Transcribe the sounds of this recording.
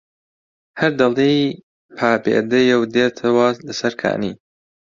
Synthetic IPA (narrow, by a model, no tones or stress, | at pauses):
hɐɾd̪ɐlˠe | pʰaːbḛːd̪ɐjɐwd̪eːt̪ʰɐwɐlɐsɐɾkʰa̰ːniː